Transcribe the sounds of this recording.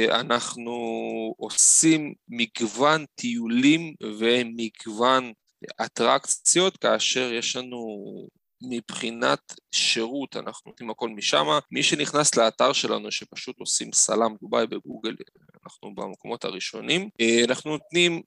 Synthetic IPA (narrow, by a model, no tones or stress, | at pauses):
a̰naχnuo̞simːiɡvant̪ʰiulimvemiɡvan | at̪ʁakt͡sjo̞t̪kaːʃe̞ʁje̞ʃlanu | mibχinat̪ʃeʁut̪a̰nʔaχnunot̪nimako̞lmiʃamamiʃe̞niχnasleat̪aʁʃe̞la̰nuʃepḁʃut̪o̞simsa̰lamd̪ubajbeɡuɡel | anaχnuba̰mekomo̞tha̰ʁiʃo̞nimanaχnuno̞t̪nim